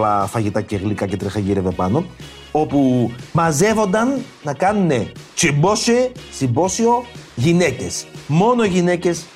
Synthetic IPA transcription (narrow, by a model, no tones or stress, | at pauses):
lɐfɐʝit̪ɐceɣlikɐcet̪ɾixɐʝiɾeve̞pɐno̞ | o̞pumɐze̞vo̞nd̪ɐnː | ɐkɐnune̞t͡ʃimbosesimbo̞sio̞ʝine̞ce̞smo̞no̞ʝine̞ce̞s